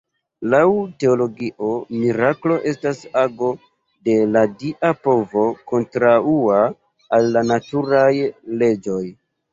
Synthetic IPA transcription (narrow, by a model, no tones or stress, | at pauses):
lawte̞olo̞ɡiʔo̞miɾaklo̞ʔe̞stasaɡo̞ | de̞ladiʔapo̞vo̞ko̞ntɾauaː | lːanatuɾajle̞d͡ʒo̞j